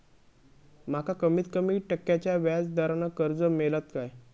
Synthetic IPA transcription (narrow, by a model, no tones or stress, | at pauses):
m̤akakəmiːt̪kəmiːʈəkːjat͡ɕjaʋjad͡zd̪aɾanəkəɾd͡zəmelat̪kaj